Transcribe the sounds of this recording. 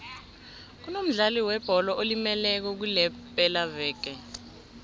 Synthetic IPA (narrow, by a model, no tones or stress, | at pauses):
k̬unom̩ɮaliwɛb̥ʱɔlɔʔolimɛlɛk̬ɔk̬ulɛpʼɛlavɛːk̬ɛ